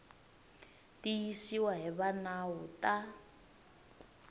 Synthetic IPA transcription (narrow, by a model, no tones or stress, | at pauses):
tijisiwaɦiβanawuta